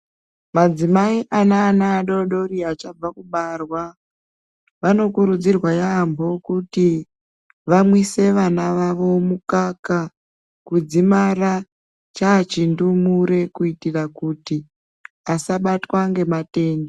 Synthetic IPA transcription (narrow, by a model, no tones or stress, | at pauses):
mad͡zimaiʔanaːnaːɗo̞ɗo̞riat͡ʃab͡vakuɓarwa | ʋano̞kuɾud͡zirwajambo̞kuti | ʋamwise̞ʋanaʋaʋo̞mukaka | kud͡zimara | t͡ʃaːt͡ʃindumuɾe̞kuitirakuti | asaɓatwaŋɡe̞mate̞ːnde